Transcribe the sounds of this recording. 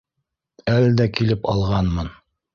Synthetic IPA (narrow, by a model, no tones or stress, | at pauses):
æld̪ækilɘpɑ̰lˠʁɑnmɤn